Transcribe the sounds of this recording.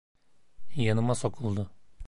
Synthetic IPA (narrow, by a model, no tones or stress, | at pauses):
jɑnɯmasokʰulˠd̪ʊ